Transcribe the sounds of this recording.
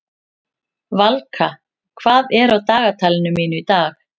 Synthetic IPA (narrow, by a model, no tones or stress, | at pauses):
valkʰa | kʰv̥aːðɛɾawt̪aːɣat̪ʰaːjlɪnʏmːiːnʏit̪aːx